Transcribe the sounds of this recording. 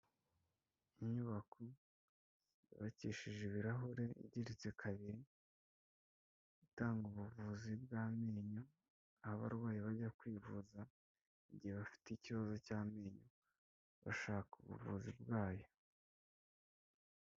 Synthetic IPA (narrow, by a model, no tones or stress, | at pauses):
iɲuβakʰo | iβaciːʃiʒeβiɾaɦuɾe̞ḭɟiɾit͡sekʰaβiɾi | itaːŋɡuβuvuːzibɡaːmeːɲo | ahaβa̰ɾɡwaːjiβaɟakwiːvuza | iɟiheβafi̥teiciβazo̞caːme̞ːɲo | βa̰ʃaːkuβṵvṵːzibɡaːjo̞